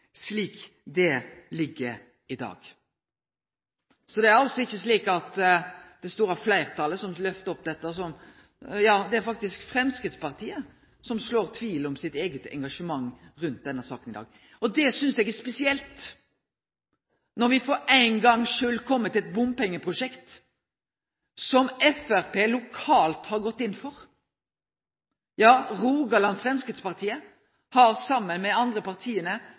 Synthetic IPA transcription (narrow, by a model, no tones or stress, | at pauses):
sliːk | d̪ɛlɪɡːəɾ | ɪd̪ɑ̰ːɡ | sɔd̪ɛæɾɑlsɔɪçːəsliːkɑt̪d̪̥ɛst̪uːɾɑflæɪʁt̪ʰɑːləsɔmlœft̪əɔp̚d̪ɛt̪ːəɔsɔm | jɑːd̪ɛæɾfɑk̚t̪ɪskfɾɛmskʁɪt̪spɑʁt̪ʰiːə | sɔmsloːʁt̪ʰʋiːlɔmsɪt̪eːɡət̪ɛ̰ŋɡɑʂəmɑŋːɾʉnt̪̚d̪ɛnːəɾsɑ̰ːkənɪd̪ɑ̰ːɡ | ɔd̪ɛsʏnsɛɡɛʁspɛsɪɛlt̪ | nɔɾʋɪfɔɾæɪnɡɑŋːʂøːlkʰɔmːət̪ɪɛt̪̚bʊmpɛŋːəpʰʁʊʂɛkt̪ | sɔmɛfæʁpʰeːlʊkʰɑːlt̪hɑɾɡɔt̪ːɪnːfɔʁ | jɑːʁuːɡɑlɑnfʁɛmskʁɪd̪spɑʁt̪ʰiːə | hɑɾsɑmːənmɛɑnd̪ɾəpɑʁt̪ʰiːənə